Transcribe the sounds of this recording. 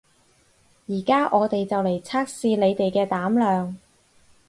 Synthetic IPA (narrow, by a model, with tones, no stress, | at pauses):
jiː˨˩kaː˥ʔɔː˨˧t̪e˨jt͡sɐ˨wle˨˩jt͡sʰaː˥k̚siː˧le˨˧jt̪e˨jkɛː˧t̪aː˨˥mlœː˨ŋ